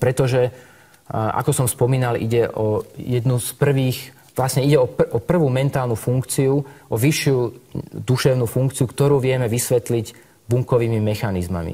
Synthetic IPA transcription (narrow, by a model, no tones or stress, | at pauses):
pɾɛt̪ɔʒɛ | ʔa̰kɔsɔmspɔmiːnalʔḭɟɛʔɔjɛd̪nuspr̩ʋiːx | ʋlasɲɛiɟɛɔʔɔpr̩ʋuːmɛnt̪aːlnufuŋkt͡siuʔɔʋiʃɪud̪uʃɛʊnufuŋkt͡siukt̪ɔɾuːʋɪɛmɛʋisʋɛt̪liɟ | buŋkɔʋiːmimɛxanizma̰mḭ